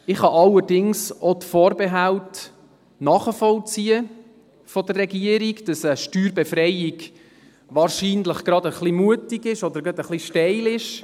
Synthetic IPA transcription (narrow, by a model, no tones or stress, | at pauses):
ɪχhɑʔɑlːədɪŋsotfɔːɾbɛɦalt | nɑːχəfɔlt͡siːə | fɔd̪ərːɛɡiəɾiɡd̥ɑsəʃtyːɾbɛfɾɛjɪɡ | ʋɑːɾʃiːnləχɡ̥ɾɑd̪əχlimuətɪɡɪʃɔd̪əɾɡɑd̪əχliʃtɛɪlɪʃ